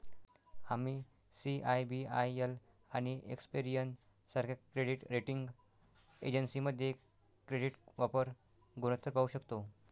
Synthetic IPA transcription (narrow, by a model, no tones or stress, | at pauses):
ami | siʔajbia̰jel | aɽ̃iʔḛkspiɾijən | saɾkʰakɾeɽiʈɾeʈiŋɡ | ḛd͡ʑənsiməd̪ʱje | kɾeɽiʈʋapəɾ | ɡunət̪əɾpauɕəkt̪o